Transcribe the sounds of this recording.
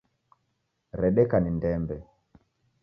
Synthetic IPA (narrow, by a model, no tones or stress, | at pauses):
ɾɛɗɛkanindɛmbɛ